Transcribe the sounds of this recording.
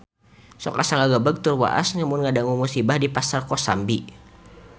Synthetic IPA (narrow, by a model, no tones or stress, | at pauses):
sɔ̰kasaŋaɡabaɡ̚t̪urwa̰ʔa̰sŋamʊnŋadaŋumusibahdipasarkɔsa̰mbi